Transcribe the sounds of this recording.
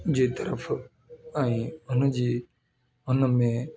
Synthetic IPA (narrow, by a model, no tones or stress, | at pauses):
d͡ʑiːt̪əɾəf | ə̃ĩːʊnəd͡ʑiː | ʊnmẽː